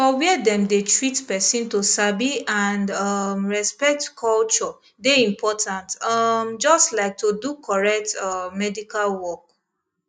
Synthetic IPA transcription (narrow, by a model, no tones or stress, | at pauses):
fɔwɛdɛ̃mdetɹitpɛsĩntosabiãndʌmɹɛspɛk̚tkʰɔlt͡ʃɔ | deĩmpʰɔtʰãntɔmd͡ʒɔstlaɪk̚tudukʰɔɹɛk̚tɔmɛdikalwɔk̚